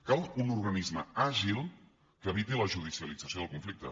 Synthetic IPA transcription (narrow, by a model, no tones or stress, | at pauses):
kalˠunurɣənizməaʒilˠ | kəβit̪iləʒuð̞isiəlid͡zəsioð̞əlˠkuɱflik̚t̪ə̰